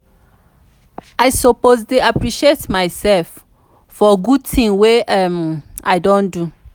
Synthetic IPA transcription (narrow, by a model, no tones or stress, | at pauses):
ajsopoztuapɹiʃietmaɪsɛlf | fɔɡud̚tʰĩŋweɛmaɪdõndu